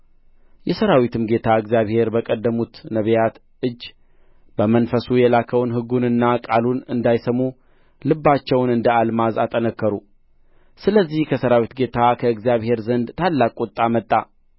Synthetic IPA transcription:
jɛsəɾawit̪ʰɨmɡe̞t̪ʰaɨɡzjaβhe̞ɾbəkʼəd̪ːəmut̪nəβjat̪ | ɨd͡ʒː | bəmənfəsujɛlakʰəwnɦɨɡːunɨnːakʼalunɨnd̪ajsəmu | lɨbːat͡ʃːɛwnɨnd̪əalmazat̪ʼənəkːəɾu | sɨləzːihkʰəsəɾawit̪ɡe̞t̪ʰakʰəɨɡzijaβhe̞ɾzənd̪t̪ʰalːakʼut̪ʼːamət̪ʼːa

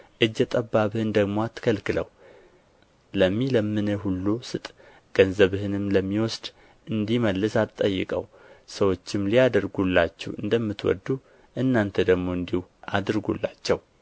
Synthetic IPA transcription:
ʔɨd͡ʒːɛt̪ʼəbːaβɨhɨnd̪əɡmo̞at̪ʰːə̥kʰəlkɨlə̰w | ləmːiləmːɨnəɦulːusɨt̪ʼ | ɡ̥ənzəβhɨnɨmləmːiwɔsd̪̥ | ɨnd̪iməlːɨsat̪ʼːəjːɨ̰kʼə̰w | səwo̞t͡ʃːɪmlijad̪əɾɡulːat͡ʃːɛwɨ̰nd̪əmːɨt̪wɔ̰d̪ːu | ʔɨnːant̪ʰəd̪əɡmo̞ɨnd̪ihuʔad̪ɨɾɡṵlːat͡ʃːɛw

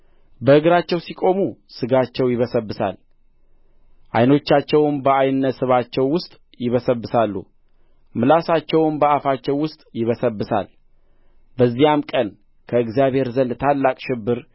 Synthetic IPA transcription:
bəhɨɡɾat͡ʃːɛwsikʼo̞musɨɡat͡ʃːɛwjɪβəsəbːɨsa̰l | ʔa̰jno̞t͡ʃːat͡ʃːɛwnbəajnːət̪sɨβat͡ʃːɛwːʊst̪ʼ | jɪβəsəbːɨsalːṵ | mɨlasat͡ʃːɛwnbəafat͡ʃːɛwːʊst̪ʼjɪβəsəbːɨsa̰l | bəzːijamkʼən | kʰəɨɡzijaβhe̞ɾzənd̪t̪ʰalːakʼʃɪbːɨɾ

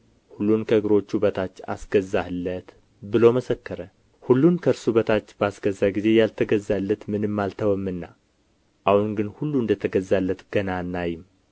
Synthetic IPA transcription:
hulːunkʰəɡɨɾo̞t͡ʃːubət̪ʰat͡ʃːa̰sɡ̥əzːahɨlːət̪ | bɨlo̞məsəkːəɾə | hulːunkʰəɾsubət̪ʰat͡ʃːbəasɡəzːaɡize̞jalt̪ʰəɡəzːalːət̪mɨnɨmːalt̪ʰəwəmːɨnːa̰ | ʔahunɡɨnhulːuɨnd̪ət̪ʰəɡəzːalːət̪ɡ̥ənanːajɪm

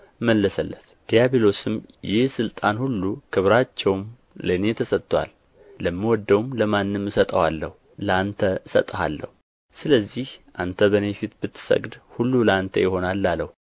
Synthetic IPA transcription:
məlːəsəlːət̪d̪̥ijabelo̞sɨmjɪhsɨlt̪ʼanhulːukʰɨβɾat͡ʃːɛwm | ləne̞t̪ʰəsət̪ʼːwa̰lː | əmːiwɔd̪ːəwmləmanːɨmɨsət̪ʼəwalːəhu | ləant̪ʰəɨsə̰t̪ʼəha̰lːə̰hu | sɨləzːihʔant̪ʰəbənefit̪bɨt̪ʰːɨ̥sə̰ɡd̪hulːuləant̪ʰəjɪho̞nalːalːəhu

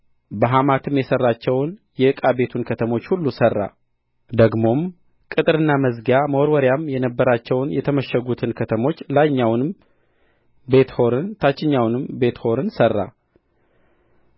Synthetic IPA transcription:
bəɦamat̪ʰɨmjɛsərːat͡ʃːɛwnjɛɨkʼabe̞t̪ʰunkʰət̪ʰəmo̞t͡ʃːhulːusərːa̰ | d̪əɡmo̞m | kʼɨt̪ʼɾɨnːaməzɡaməwoɾwɔɾjamjɛnəbːəɾat͡ʃːɛwnjɛt̪ʰəməʃəɡut̪ʰɨnkʰət̪ʰəmo̞t͡ʃːlaɲːawnɨm | be̞t̪ho̞ɾɨnt̪ʰat͡ʃːɪɲːawnɨmbe̞t̪ho̞ɾɨnsərːa̰

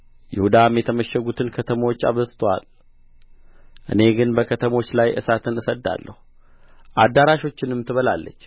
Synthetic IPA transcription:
jɪhud̪amjɛt̪ʰəməʃɛɡut̪ʰɨnkʰət̪ʰəmwot͡ʃːa̰βəst̪ʰwa̰l | ʔɨ̰ne̞ɡɨnbəkʰət̪ʰəmo̞t͡ʃːlajʔɨ̰sat̪ʰɨnɨsəd̪ːa̰lːə̰hu | ʔad̪ːaɾaʃo̞t͡ʃːɪnɨmːt̪ʰɨβəlalːət͡ʃː

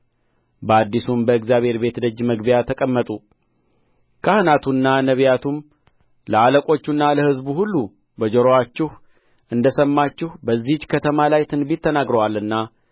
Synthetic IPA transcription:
bəad̪ːisumbəɨkzjaβhe̞ɾbe̞t̪d̪əd͡ʒːməɡbijat̪ʰəkʼəmːət̪ʼu | kʰəhɨnat̪ʰunːanəβjat̪ʰum | ləaləkʼo̞t͡ʃːunːaləhɨzbuhulːu | bəd͡ʒoɾowat͡ʃːɪh | ʔɨnd̪əsəmːat͡ʃːɪhubəzːihd͡ʒkʰət̪ʰəmalajt̪ʰɨnbit̪ʰːənaɡɾəwalɨnːa

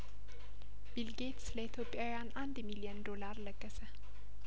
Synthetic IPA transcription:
bilɡet̪sləit̪ʰjopʼjawjanʔand̪milijənd̪o̞laɾləkʼːəsə

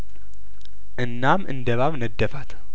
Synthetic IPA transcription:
ʔɨnːamʔɨ̰nd̪əβaβnəd̪ːəfat̪

